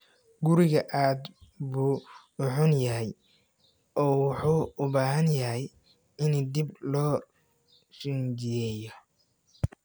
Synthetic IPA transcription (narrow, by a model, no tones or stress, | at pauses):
ɡʊɾɪɣɐʔaːd̪buː | ʊħʊnjɐɦɛj | ʔɔːwɑħuːʊbaːɦɐnjɐɦɛj | ɪnd̪iblɔː | sɪnd͡ʒɪjɛːjɔ